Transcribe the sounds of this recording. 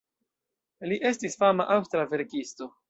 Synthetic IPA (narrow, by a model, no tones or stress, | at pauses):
liʔe̞stisfamaʔawstɾave̞ɾkisto̞